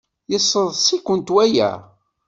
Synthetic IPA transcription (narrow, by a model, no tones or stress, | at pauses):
jəsˤːəðˤsikʷːənt̪wæjæ̰